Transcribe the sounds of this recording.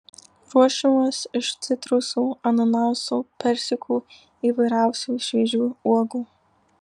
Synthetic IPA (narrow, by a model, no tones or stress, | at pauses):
ɾuɔʃʲɪmoːsɪʃt̪sʲɪt̪ɾʊsuːɐnɐnaʊsuːpʲɛɾʲsʲɪkʰuː | iːʋɐɪɾæˑʊsʲuːʃʲʋʲiɛʒʲuːuɔɡuː